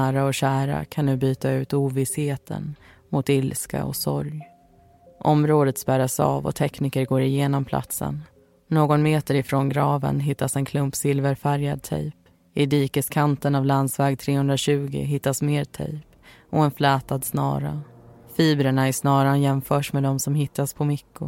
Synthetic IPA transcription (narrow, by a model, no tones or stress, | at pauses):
æːɾaɔɕæːɾa̰kʰanːʉ̟ːbyːt̪aʉ̟ːt̪uːvɪsheːt̪ʰə̰n | mʊt̪ɪlska̰ɔ̰sɔ̰ɾj | ʔɔmɾoːd̪ət̪spæɾasɑ̰ːvɔ̰t̪ʰɛkniːkəɾɡoːɾɪjeːnɔmpʰlʔa̰t̪sə̰nː | oːɡɔnmeːt̪əɾɪfɾonɡɾɑːvə̰nɦɪt̪ːasɛnkʰlɵmpsɪlvəɾfæɾjad̪̚t̪ʰɛ̰jp | ɪd̪iːkəskʰant̪ənavland̪svɛːɡ̚t̪ʰɾeːhɵnd̪ɾaɕʉ̟ːɡɪ̰ɦɪt̪ːasmeːɾt̪ʰɛ̰jp | ɔɛnflɛːt̪ad̪snɑ̰ːɾa̰fiːbɾəɳaæʂnɑːɾanjɛmfœːʂmɛd̪ɔmsɔmɦɪt̪ːaspʰɔmɪkːʊ